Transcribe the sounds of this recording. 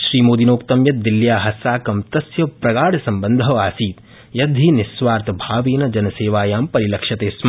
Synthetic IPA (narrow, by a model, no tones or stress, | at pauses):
ʃɾiːmoːd̪inoːkt̪ɐmjɐt̪̚d̪iljaːɦɐsaːkɐmt̪ɐsjɐpɾɐɡaːɽɐsɐmbɐnd̪ʱɐʋaːsiːt̪ | jɐd̪ʱiːnisʋaːɾt̪ɐbʱaːʋiːnɐd͡ʒɐnɐseːʋaːjaːmpɐɾilɐkʃɐt̪eːsm